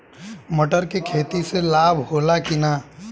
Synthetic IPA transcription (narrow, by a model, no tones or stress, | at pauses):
məʈəɾkekʰeːt̪iselaːbʱhoːlakɪna